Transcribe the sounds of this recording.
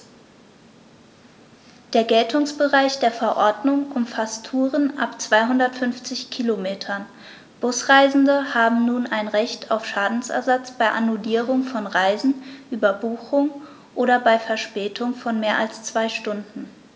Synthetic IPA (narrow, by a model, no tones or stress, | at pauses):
d̥eːɐɡɛltʰʊŋsb̥əʁaɪçd̥eːɐfɛɐʔɔɐdnʊŋʔʊmfasttʰuːʁənʔa̰pt͡sv̥aɪɦʊndɐtfʏnft͡sɪçkʰilomeːtʰɐn | b̥ʊsʁ̥aɪzn̩dəhaːbm̩nuːnaɪnʁɛçtʰaʊfʃaːdn̩sɛ̰ɐzat͡sb̥aɪʔanuliːʁʊŋfɔnʁaɪzn̩ʔyːbɐbuːxʊŋ | ʔoːɾɐbaɪfɛɐʃpɛːtʰʊŋfɔnmeːɐʔalst͡sv̥aɪʃtʊndn̩